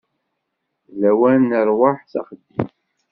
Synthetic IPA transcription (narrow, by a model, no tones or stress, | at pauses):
læwænəɾˤwaħθa̰χəd̪ːim